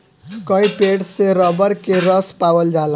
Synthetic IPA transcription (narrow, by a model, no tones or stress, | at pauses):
kʌ̃ĩpeɽseɾʌbəɾkeɾʌspawəld͡ʒal